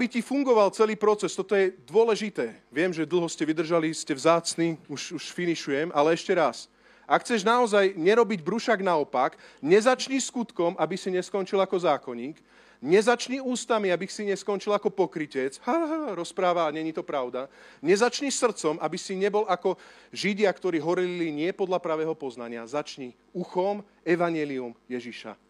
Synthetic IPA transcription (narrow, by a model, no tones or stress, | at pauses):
abicifuŋɡɔʋalt͡sɛliːpɾɔt͡sɛst̪ɔt̪ɔjɛd̪ʊɔlɛʒit̪ɛːʋɪɛmʒɛd̪l̩ˠɦɔscɛʋid̪r̩ʒaliscɛvzaːt͡sniuʃuʃfiniʃujɛmʔalɛɛʃcɛɾas | ʔakxʰt͡sɛʒnaɔzajɲɛɾɔbiɟbɾuʃaɡnaɔpakɲɛzat͡ʃɲiskut̪kɔmabisiɲɛskɔnt͡ʃilakɔzaːkɔɲiːk | ɲɛzat͡ʃɲiuːst̪amiabixsiɲɛskɔnt͡ʃilakɔpɔkɾicɛt͡shaɾɔspɾaːʋaɲɛɲit̪ɔpɾaʊd̪a | ɲɛzat͡ʃɲisr̩t̪t͡sɔmabisiɲɛbɔlakɔʒiɟɪakt̪ɔɾiːɦɔɾilliɲɪɛpɔd̪ʎapɾaʋɛːɦɔpɔznaɲɪazat͡ʃɲi | uxɔm | ɛʋaɲɪɛliumjɛʒiʃa̰